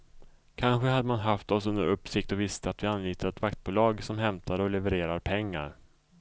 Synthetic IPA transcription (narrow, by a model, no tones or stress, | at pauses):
kʰanɧəhad̪ːəmanɦaft̪ɔsɵnd̪ə̰ɾɵpːsɪkt̪ɔvɪst̪əat̪vɪanliːt̪əɾɛt̪vakt̪̚buːlɑːɡsɔmɦɛmt̪ʰaɾɔlɛvəɾeːɾaɾpʰɛŋːa̰ɾ